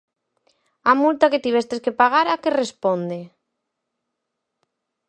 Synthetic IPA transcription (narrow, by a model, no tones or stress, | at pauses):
amult̪aket̪iβɛst̪eskepaɣ̞aɾakerespond̪e